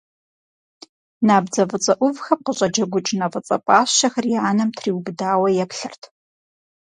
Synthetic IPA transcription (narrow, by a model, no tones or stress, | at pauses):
naːbd͡zɐvɨt͡sʼɐʔʷʊvxɐp̚qəɕʼɐd͡ʒɐɡʷʊt͡ʃʼnɐvɨt͡sʼɐ̰pʼaːʃɐxɐriʕanɐmtʰriːwbdaːwɐjɛpɬɨrtʰ